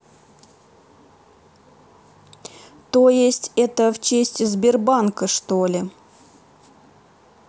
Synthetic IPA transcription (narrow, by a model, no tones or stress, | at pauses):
t̪ojɪsʲtʲɛt̪əft͡ɕesʲtʲɪzʲbʲɪrbankəʂt̪olʲɪ